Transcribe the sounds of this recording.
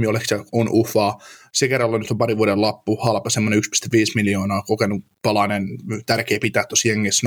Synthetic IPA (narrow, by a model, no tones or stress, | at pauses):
iolekseonʔufˑɑːsekerːɑlːɑnyt̪ompɑɾiʋuoɾelɑpːuhɑlpɑsemːoneykspi̥st̪æʋʋiːsmiljoːnɑːkokenupɑlɑnent̪ærkeːpit̪æːt̪t̪ːosjeŋːis